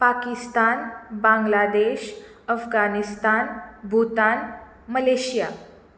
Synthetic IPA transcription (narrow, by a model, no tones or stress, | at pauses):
pakist̪aːnbãŋɡlad̪eɕ | əfɡanist̪aːnbʱut̪an | məleɕija̰